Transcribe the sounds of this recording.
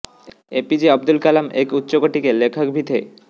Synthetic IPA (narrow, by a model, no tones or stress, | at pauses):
epid͡ʑeʌb̚d̪ulkalamekutːɕokoʈikelekʰɔkbʱit̪ʰe